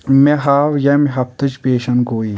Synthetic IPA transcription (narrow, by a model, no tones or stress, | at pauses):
meɦaːʋjɐmiɦɐp̚t̪ɨt͡ʃpeːʃɐnɡoːiː